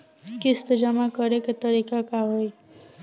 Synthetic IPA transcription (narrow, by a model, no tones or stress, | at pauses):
kɪst̪d͡ʒəmakəɾeket̪əɾikakaɦoj